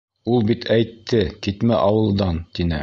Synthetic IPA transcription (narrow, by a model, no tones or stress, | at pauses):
ulˠbit̪ʰæjt̪ʰːɘkit̪mæʔɑwɤ̆lˠd̪ɑnt̪inɘ̰